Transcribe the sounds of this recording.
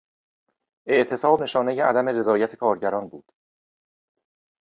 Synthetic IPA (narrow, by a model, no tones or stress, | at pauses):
ʔe̞ʔt̪ʰe̞sɒːbne̞ʃɒːnejeʔæd̪æme̞ɾe̞zɒːjæt̪ʰekʰɒːɾɟæɾɒːnbuːd̪̥